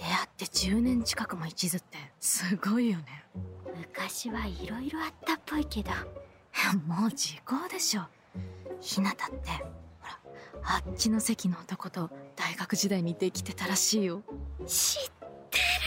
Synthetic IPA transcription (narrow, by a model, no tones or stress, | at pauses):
d̪̥e̞at̪ːe̞d͡ʑɨːnẽ̞ɲ̟t͡ɕi̥kakɯ̟mo̞it͡ɕizɨt̪ːe̞sɨɡo̞ijo̞ne̞mɯ̟kaɕiβaiɾo̞iɾo̞at̪ːapːo̞ike̞d̪o | jamoːd͡ʑiko̞ːd̪e̞ɕo̞ː | çinat̪ḁt̪ːe̞ho̞ɾaat͡ɕino̞se̞kʲino̞ːt̪o̞ko̞t̪o̞d̪̥aiɡakɯ̟ʑid̪aiɲ̟id̪e̞kʲi̥t̪e̞t̪aɾaɕiːjo̞ɕit̪ːeɾ